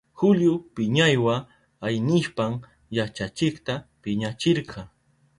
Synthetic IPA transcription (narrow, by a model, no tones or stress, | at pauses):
xʊljʊpɪɲajwa | ajnɪʃpam | jat͡ʃat͡ʃɪkt̪apɪɲat͡ʃɪɾqʰɑ